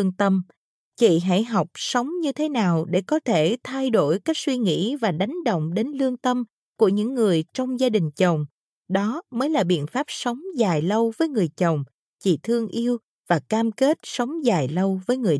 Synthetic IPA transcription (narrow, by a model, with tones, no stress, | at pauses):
əŋt̪ə˧m | t͡ɕḭ˧˨ɦa̰˧˥˩jɦɔ˨˩wk͡p̚sə˨˦wŋ͡mɲɨ˧t̪ʰe˨˦naː˨˩wɗe˧˩kɔ˨˦t̪ʰe˧˩t̪ʰa˧jɗo˧˩jka˦˥k̚swi˧ŋḭ˧˥vaː˨˩ɗa˨˦jŋ̟ɗə̰˧˨wŋ͡mɗe˨˦nlɨ˧əŋt̪ə˧m | ku˧˩əɲɨ̰˧˥ŋːɨ˨˩əjt͡ɕɔ˧wŋ͡mzaː˧ɗï˨˩ŋ̟t͡ɕə˨˩wŋ͡m | ɗɔ˨˦məː˨˦jlaː˨˩ɓḭ˧˨ənfaː˦˥p̚sə˨˦wŋ͡mzaː˨˩jlə˧wvəː˨˦jŋɨ˨˩əjt͡ɕə˨˩wŋ͡m | t͡ɕḭ˧˨˩t̪ʰɨ˧əŋʔi˧əw | vaː˨˩kaː˧mke˦˥t̚sə˨˦wŋ͡mzaː˨˩jlə˧wvəː˨˦jŋɨ˨˩ə